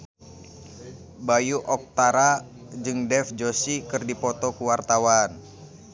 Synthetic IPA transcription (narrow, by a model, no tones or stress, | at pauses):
bajuʔɔk̚t̪aɾa | d͡ʒɨŋdɛfd͡ʒosikɨrdipɔt̪ɔkuwart̪awan